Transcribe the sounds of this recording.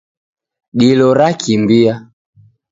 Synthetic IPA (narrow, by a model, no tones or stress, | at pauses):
ɗilɔɾakʰimbia